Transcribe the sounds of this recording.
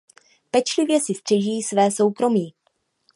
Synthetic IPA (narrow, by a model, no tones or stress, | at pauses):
pɛt͡ʃlɪvjɛsɪst̪r̝̥ɛʒiːsvɛːso̞wkɾo̞miː